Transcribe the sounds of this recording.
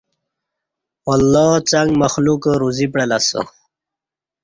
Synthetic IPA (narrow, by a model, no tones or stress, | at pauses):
walːɑːt͡saŋɡmaxlukəɾuzipɽelasə̰